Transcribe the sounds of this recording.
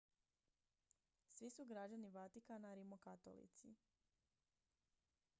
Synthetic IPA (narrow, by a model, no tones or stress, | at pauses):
sʋisuɡɾad͡ʑaniʋat̪ikanaɾimokat̪o̰lḭt̪sḭ